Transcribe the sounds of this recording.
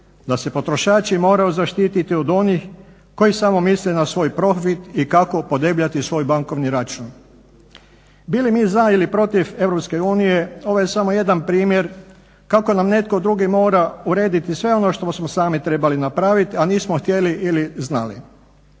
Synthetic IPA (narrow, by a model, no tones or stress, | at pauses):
d̪ase̞po̞t̪ɾo̞ʃaːt͡ʃimo̞ːɾajozaʃt̪iːt̪it̪iod̪o̞nix | ko̞jisamo̞mislenasʋo̞ːjpɾo̞fit̪ikako̞po̞d̪ebʎat̪isʋo̞ːjbaŋko̞ʋniɾat͡ʃuːn | bilimiːzailipɾo̞t̪ife̞ʋɾopske̞uːnije̞o̞ʋoje̞samoje̞d̪anpɾiːmje̞ɾ | kako̞namne̞t̪ko̞d̪ɾuɡimo̞ːɾauɾe̞ːd̪it̪isʋe̞o̞noʃt̪osmosaːmit̪ɾe̞balinapɾaʋit̪ianiːsmoxt̪je̞liʔiliznalḭ